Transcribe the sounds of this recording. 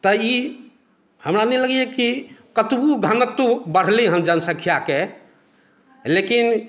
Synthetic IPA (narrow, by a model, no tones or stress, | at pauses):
t̪əi | həmɾanɛləɡijekikət̪buɡʱənət̪ːubəɽ̤liɦəmd͡ʒənsəkʰijake | lekin